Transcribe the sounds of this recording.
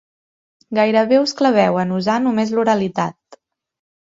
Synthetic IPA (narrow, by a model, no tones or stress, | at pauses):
ɡajɾəβeuskləβɛwənuzanumezluɾəlit̪at̪̚